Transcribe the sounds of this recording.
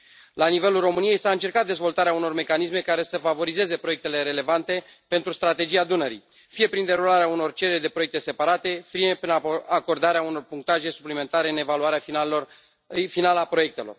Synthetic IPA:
lanive̞lulro̞mɨnije̞jsaɨnt͡ʃe̞rkat̪̚d̪e̞zvo̞lt̪aɾeauno̞rme̞kanisme̞kaɾe̞səfavo̞ɾize̞ze̞pɾo̞jekt̪e̞le̞ɾe̞le̞vant̪e̞ | pe̞nt̪ɾust̪ɾat̪e̞d͡ʒiad̪unəɾḭ | fije̞pɾind̪e̞ɾulaɾeauno̞rt͡ʃeɾerʲd̪e̞pɾoek̚t̪e̞se̞paɾat̪e̞fiepɾinako̞rd̪aɾeauno̞rpuŋk̚t̪aʒe̞su̥plime̞nt̪aɾe̞ɨne̞valuaɾea | finaləapɾo̞je̞k̚t̪e̞lo̞̰r

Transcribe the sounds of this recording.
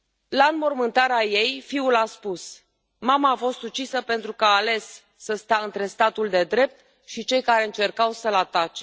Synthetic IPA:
lanmo̞rmɨnt̪aɾaje̞jfiulaspus | mamaːfo̞st̪ut͡ʃisəpe̞nt̪ɾukaːle̞sː | əst̪aɨnt̪ɾe̞st̪at̪uld̪e̞d̪ɾe̞p̚t̪ | ʃit͡ʃe̞jkaɾe̞ɨnt͡ʃe̞rkawsəlat̪at͡ʃe̞

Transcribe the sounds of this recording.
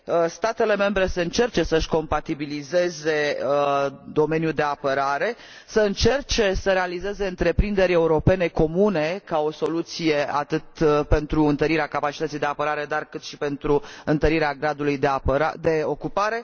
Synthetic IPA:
əst̪at̪e̞le̞me̞mbɾe̞səɨnt͡ʃe̞rt͡ʃe̞səʃko̞mpat̪ibilize̞ze̞ | d̪o̞me̞njud̪e̞apəɾaɾe̞ | səɨnt͡ʃe̞rt͡ʃe̞səɾe̞alize̞ze̞ɨnt̪ɾe̞pɾind̪e̞ɾʲe̞uɾo̞pe̞ne̞ko̞mune̞kao̞so̞lut̪sije̞a̰t̪ɨt̪pe̞nt̪ɾuɨnt̪əɾiɾeakapat͡ʃit̪ət̪sijd̪e̞apəɾaɾe̞d̪arkɨt̪ʃipe̞nt̪ɾuɨnt̪əɾiɾeaɡɾad̪ulujd̪eapəɾad̪e̞o̞kupaɾe̞

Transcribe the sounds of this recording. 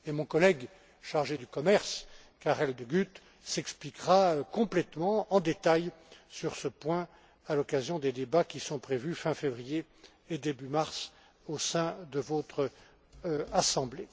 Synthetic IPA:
emɔ̃kɔlɛɡ | ʃaʁʒed̪ykɔmɛʁskaʁɛld̪əɡyt̪ | sɛksplikʁakɔ̃plɛt̪mɑ̃ɑ̃d̪et̪ajsyʁsəpwɛ̃ | alɔkazjɔ̃d̪ed̪ebakʲisɔ̃pχevyfɛ̃fevʁijeː | d̪ebymaʁs | osɛ̃d̪əvot̪χə | asɑ̃ble

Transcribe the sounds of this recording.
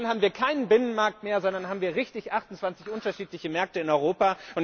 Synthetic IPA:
nhaːbm̩viːɐkʰaɪnənbɪnənmaɐk̚tmeːɐzɔndɐnɦaːbm̩viːɐʁɪçtɪçʔaχtʊntt͡sv̥ant͡sɪçʔʊntɐʃiːtlɪçəmɛɐk̚təɪnɔʏʁ̞oːpaʔʊn

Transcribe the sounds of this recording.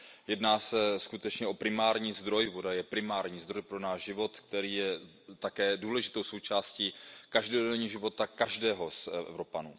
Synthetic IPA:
jɛdnaːsɛskut̪ɛt͡ʃɲɛʔo̞pɾɪmaːɾɲiːzd̪ɾo̞jvodajɛpɾɪmaːɾɲiːzd̪ɾo̞jpɾo̞naːʒʒɪvo̞t̪k̚t̪ɛɾiːjɛ | t̪akɛːduːlɛʒɪt̪o̞wso̞wt͡ʃaːsciːkaʒdodɛɲiːʒɪvo̞t̪akaʒdɛːɦo̞sʔɛ̰vɾo̞panṵː

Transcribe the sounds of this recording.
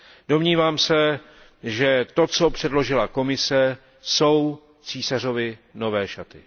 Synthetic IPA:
d̥o̞mɲiːvaːmsɛ | ʒɛt̪o̞t͡sopr̝̥ɛdlo̞ʒɪlako̞mɪsɛ | so̞w | t͡siːsar̝o̞vɪno̞vɛːʃat̪ɪ

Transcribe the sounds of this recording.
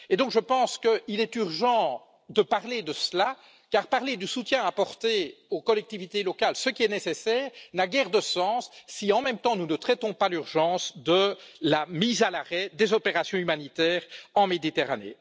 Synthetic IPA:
ed̪ɔ̃kʒəpɑ̃skəilɛt̪yʁʒɑ̃ | d̪əpaʁled̪əsla | kaːʁpaʁled̪ysut̪jɛ̃apɔʁt̪eokɔlɛk̚t̪ivit̪elɔkalsəkʲiɛnesesɛːʁnaɡɛʁd̪əsɑ̃ːsːiɑ̃mɛmt̪ɑ̃nunət̪χɛt̪ɔ̃palyʁʒɑ̃ːsd̪əlamiːzalaʁɛd̪ezɔpeʁasjɔ̃ymanit̪ɛːʁɑ̃med̪it̪eʁanḛː

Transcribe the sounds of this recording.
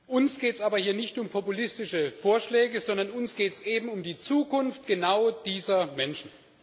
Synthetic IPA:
ʔʊnsɡ̥eːtsʔaːbɐhiːɐnɪçtʊmpʰɔpulɪstɪʃəfoːɐʃlɛːɡəzɔndɐnʊnsɡ̥eːtsʔeːbm̩ʊmdiːt͡suːkʊnftɡ̥ənaʊd̥iːzɐmɛnʃn̩

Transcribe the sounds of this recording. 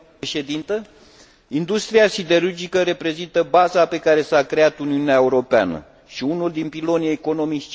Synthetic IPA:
ʃe̞d̪int̪ə | ind̪ust̪ɾiasid̪e̞ɾurd͡ʒikəɾe̞pɾe̞zint̪əbazape̞kaɾe̞sakɾe̞at̪uniuneaeuɾo̞pea̰nə̰ | ʃiunuld̪inpilo̞nieeko̞no̞mit͡ʃʲt͡ʃ

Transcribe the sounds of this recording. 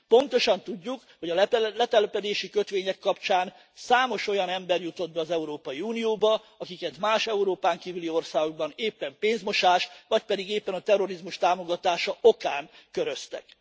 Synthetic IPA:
po̞nt̪o̞ʃɒnt̪uɟːukho̞ɟɒlɛt̪ɛlɛpɛd̪eːʃikø̞t̪ʋeːɲɛkːɒpt͡ʃaːn | saːmo̞ʃo̞jɒnɛmbɛrjut̪o̞d̪̚bɛɒzɛuɾoːpɒjiunijoːbɒ | ɒkikɛt̪maːʃɛuɾoːpaːŋkiːvylio̞rsaːɡo̞ɡ̚bɒneːpːɛmpeːnzmo̞ʃaːʃʋɒc̚pɛd̪iɡeːpːɛnɒt̪ɛro̞ɾizmuʃt̪aːmo̞ɡɒt̪aːʃɒʔokaːnkøɾø̞st̪ɛ̰k

